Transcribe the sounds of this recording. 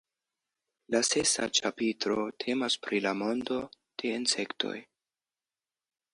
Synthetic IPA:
lase̞sa̰t͡ʃa̰pitɾo̞tʰe̞maspɾʔilamo̞ndo̞ | d̥e̞inse̞ktʰo̞̰j

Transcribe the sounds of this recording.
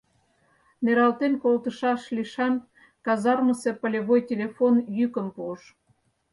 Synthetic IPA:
nʲeɾɑlt̪enkolt̪ə̆ʃɑʃliʃɑm | kɑzɑrmɤ̆sepə̆lʲeβojtʲelʲefonjykə̆mpuəʃ

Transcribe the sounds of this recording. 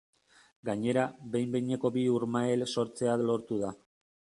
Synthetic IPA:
ɡaɲe̞ɾabe̞jmbe̞jɲe̞ko̞biuɾmaelso̞ɾt͡seaðlo̞ɾt̪uða

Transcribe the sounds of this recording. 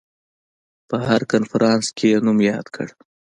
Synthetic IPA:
pəhaɾkanfaɾɑnskʰenumjɑd̪kʰə̰ɽ

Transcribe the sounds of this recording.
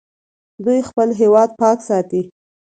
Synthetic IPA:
d̪ujxpəlɦewɑd̪̚pɑksɑt̪i

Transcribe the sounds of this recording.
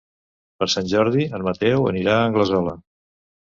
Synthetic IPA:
pəɾsanʲʒɔɾð̞iənmət̪ɛwə̰niɾaəŋɡləzɔlə

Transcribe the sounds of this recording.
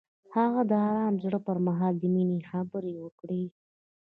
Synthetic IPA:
haɣad̪əɑɾɑmzɽəpəɾmaɦɑld̪əminexabəɾewəkɽi

